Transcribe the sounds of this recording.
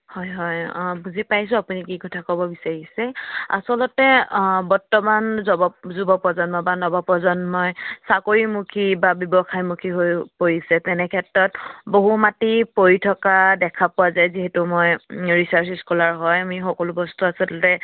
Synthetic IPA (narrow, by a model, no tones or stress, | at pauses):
hɔjɦɔjbuzipajsʊ̃apunikikɔtʰakɔbɔbisaɹisɛa̰sɔlɔtɛbɔɹtɔmanzɔbɔzubɔpɔzɔnmɔbanɔbɔpɔzɔnmɔjsakoɹimukʰibabibɔxʰajmukʰiɦojpojisɛtɛnɛkʰɛtɹɔt̚boɦumatipojitʰɔkadɛkʰapʊwazajziɦɛtumojɹisaɹsiskʰɔlaɹɦɔjamixɔkɔlʊbɔstuasɔlɔtɛ